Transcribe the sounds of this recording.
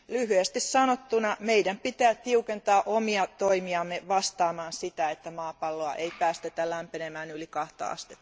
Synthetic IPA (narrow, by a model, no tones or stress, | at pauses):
lyhyest̪issɑnot̪ːunɑmeidæmpit̪æːtt̪iukent̪ɑːʔomiɑt̪oimiɑmːeʋɑst̪ɑːmɑːnsit̪æet̪ːæmɑːpɑlːoɑ̰ʔeipæːst̪et̪ælæmpenemæːnylikɑht̪ɑ̰ɑ̰st̪e̥t̪ː